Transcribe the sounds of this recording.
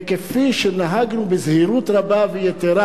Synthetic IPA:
kefiʃenaɦaɡnubezhiɾut̪ɾabavejet̪eɾa

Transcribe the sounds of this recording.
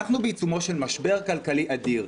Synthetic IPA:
aχnubeit͡sumo̞ʃelmaʃbe̞ʁkalkaliʔadiʁ

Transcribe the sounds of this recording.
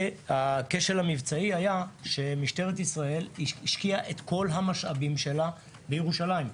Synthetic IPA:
hake̞ʃelhamivt͡saihajaʃe̞miʃte̞ʁet̪isʁae̞liiʃkiaʔet̪ko̞lɦamaʃabimʃe̞la | bejeʁuʃalaim

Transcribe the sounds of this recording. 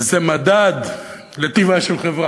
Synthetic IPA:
zemad̪ad̪ | let̪ivaʃelχevʁa

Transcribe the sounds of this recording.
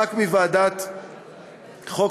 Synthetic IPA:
akmivaːd̪at̪ | χok

